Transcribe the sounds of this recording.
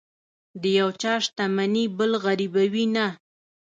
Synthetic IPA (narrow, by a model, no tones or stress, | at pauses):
d̪əjawt͡ʃɑʂt̪amanibəlɣaɾibawina